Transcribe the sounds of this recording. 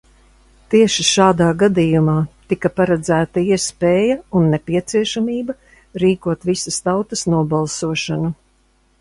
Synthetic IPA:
t̪iɛʃiʃaːd̪aːɡad̪ijumaːt̪ikɐpaɾɛd̪zæːt̪ɐiɛspeːjɐunːɛpiɛt̪siɛʃamiːbɐ | ɾiːkuɔt̪visɐst̪awt̪ɐsnuɔbalˠsuɔʃanu

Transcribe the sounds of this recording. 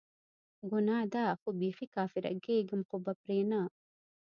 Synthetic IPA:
ɡunaːd̪aːɐxubiːxikaːfiɾɐ̰ɡeːɡumqubɐpɾeːnaː

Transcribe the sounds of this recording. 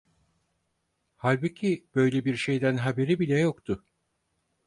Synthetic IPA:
halʲbucʰib̥ø̞jlʲebiɾʃe̞jd̪ænɦabe̞ɾibilʲɛjokt̪ʰʊ

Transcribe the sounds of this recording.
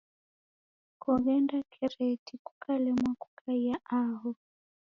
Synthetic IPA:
kɔɣɛndakʰɛɾɛtʰikukʰalɛmwaku̥kʰaijaaɦɔ

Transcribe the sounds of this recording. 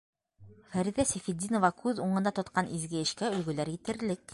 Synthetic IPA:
fæɾiðæsefid̪ʲinŏvɑkʉðuɴɤ̆nd̪ɑt̪ŏt̪̚qɑnʔizɡɘɘ̆ʃkæɵ̆lɡɵ̆læɾjit̪ɘ̆ɾlɘk

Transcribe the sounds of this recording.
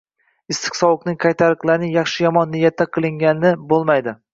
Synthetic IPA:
ɪst̪ʰɨ̥qsɒwʊqnɪŋqʰajt̪ʰaɾɨqlˠaɾnɪjɑχʃɪjɒmɒnːɪjat̪ʰːaqʰɨlˠɪŋɡʲanɪnɪbolˠmajd̪ɪ

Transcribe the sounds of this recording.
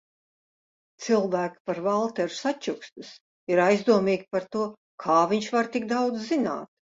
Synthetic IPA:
t̪silˠvæːki̥paɾvalˠt̪ɛɾu̥sat͡ʃukst̪us | iɾajzd̪uɔmiːɡʲpaɾt̪uɔ | kʰaːvʲiɲʃvaɾt̪iɡd̪awd̪zzina̰ːt̪̚

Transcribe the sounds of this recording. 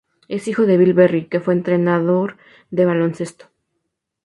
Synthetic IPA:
e̞sixo̞ðe̞βilβerike̞fwe̞ːnt̪ɾe̞naðo̞ɾ | ðe̞βalo̞nse̞st̪o̥

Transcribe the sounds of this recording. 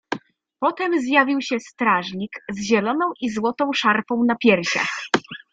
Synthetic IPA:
pɔt̪ɛmzjavʲiwɕɛst̪ɾaʐɲʲikzʑɛlɔnɔ̃w̃ʔizwɔt̪ɔ̃w̃ʂaɾfɔ̃w̃napʲjɛɾɕa̰x

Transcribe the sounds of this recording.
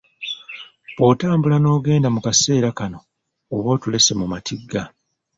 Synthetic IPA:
βo̞ːtaːmbulano̞ːɡe̞ːndamukase̞ːɾakano̞ː | βo̞ːtule̞se̞mumatʰiɡːa

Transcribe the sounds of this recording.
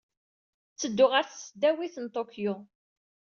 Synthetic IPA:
t͡sːəd̪ːʊʁəɾθsəd̪ːæwiθənt̪ˤokju

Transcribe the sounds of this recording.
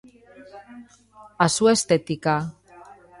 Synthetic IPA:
asuest̪et̪ika

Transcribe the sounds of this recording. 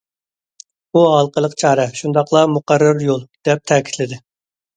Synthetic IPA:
buɦɑlˠqəlˠəqt͡ʃʰɑːɾɛʃund̪ɑqʰlˠɑmuqɑɾːɑɾjolˠd̪̥ɛp̚t̪ʰɛkʲʰi̥t̪lɪd̪ɪ

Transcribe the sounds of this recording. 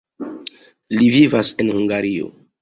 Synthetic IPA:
livivasenhuŋɡaɾio̰

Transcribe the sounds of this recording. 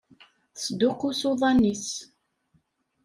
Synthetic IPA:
sd̪ʊqʊsoðˤɑnːis

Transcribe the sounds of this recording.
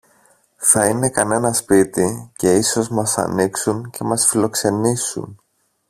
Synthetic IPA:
θɐine̞kɐne̞nɐspit̪ice̞iso̞zmɐsɐ̰niksunce̞mɐsfilo̞kse̞nisṵn

